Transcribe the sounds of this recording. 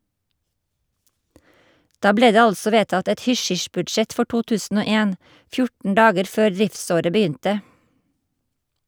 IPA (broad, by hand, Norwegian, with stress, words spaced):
ˈdɑː ˈbleː ˈdeː ˈɑlsɔ ˈʋeːtɑt ˈɛt ˈhʏˌʃʏʃbʉdˌʃɛt ˈfɔ ˈʈuː ˈtʉːsn̩ ˈoː ˈeːn ˈfjʊʈn̩ ˈɖɑːɡəɾ ˈføːɾ ˈðɹɪfˌsoːɾə bəˈjʏntə